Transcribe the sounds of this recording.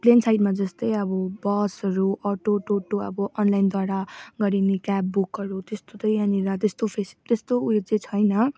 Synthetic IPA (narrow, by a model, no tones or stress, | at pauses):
plensajʈmad͡zʌst̪ʌjʌbʌbʌsʌɾuʔʌʈoʈoʈoʌ̰bʌʔʌnlajnd̪waɽaɡʌɾinekapːukʌɾut̪est̪ot̪ʌjaniɾʌt̪est̪opʰesi̥t̪est̪oujod͡zet͡sʰʌjnʌ